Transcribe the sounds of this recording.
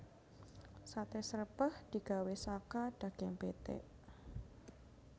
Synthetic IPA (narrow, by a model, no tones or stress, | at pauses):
sat̪esəɾəpəhd̪̥i̤ɡ̥a̤wesakad̥ä̤ɡ̥eŋb̥et̪ḛʔ